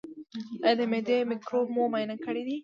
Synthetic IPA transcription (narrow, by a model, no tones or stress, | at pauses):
ɐd̪ɐmed̪emikɾomomɐjnɐkɐɽid̪i